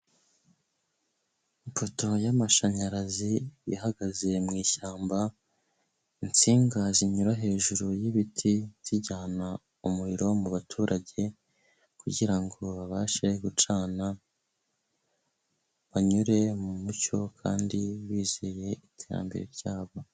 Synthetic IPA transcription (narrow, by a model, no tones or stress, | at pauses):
mpoto̞jamaʃaɲaɾazija̰haɡaze̞mŋiːʃaːmba | int͡siːŋɡaziɲuɾaɦe̞ːʒuɾujiβitʰiz̥iɟaːna | umuɾiɾo̞muβatʰuːɾʔaɟe̞ | kuɟiɾaŋɡo̞βaʃeɡut͡ʃaːna | βaɲuɾe̞mumuco̞kʰa̰ːndiwiːzeje̞itʰe̞ɾa̰mbe̞̰ɾeɾɟaːβo